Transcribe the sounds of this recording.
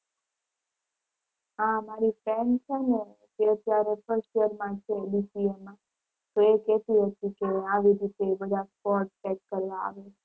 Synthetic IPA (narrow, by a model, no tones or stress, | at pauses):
ɦãmaɾifɾɛnt͡ʃʰene | t̪eət̪jaɾefəɾsʈjəɾmãt͡ʃʰeɗisiemːã | t̪oekɛt̪iɦət̪ikeaʋiɾit̪ebəd̪ʱaspɔɾʈʈɛkːəɾʋãa̰ʋe